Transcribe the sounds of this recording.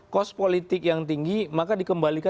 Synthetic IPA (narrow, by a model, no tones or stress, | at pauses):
kɔspolit̪ɪk̚jaŋt̪iŋɡimakadikəmbalika